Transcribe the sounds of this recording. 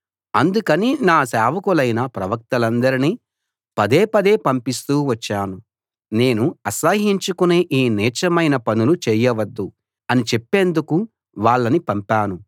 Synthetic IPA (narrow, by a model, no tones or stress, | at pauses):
ɐnd̪ukɐninaːsaːʋɐkulɐjnɐpɾɐʋɐk̚t̪ɐlɐnd̪ɐɾiniː | pɐd̪eːpɐd̪eːpɐmpist̪uːʋɐt͡ʃːaːnu | ne̞ːnuɐsɐɦiɲt͡ʃukuneːʔiːnɛːt͡ʃɐmɐjnɐpɐnulut͡ʃɛːjɐʋɐd̪ːu | ɐnit͡ʃepːeːnd̪uku | ʋaːɭːɐnipɐmpaːnu